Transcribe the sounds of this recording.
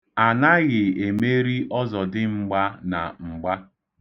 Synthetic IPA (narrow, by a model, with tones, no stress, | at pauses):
a˨na˦ɣɪ˨e˨me˦ɾi˦ʔɔ˦zɔ˨dɪ˦ŋ͡m̩˨ɡ͡ba˦na˨ŋ͡m̩˨ɡ͡ba˦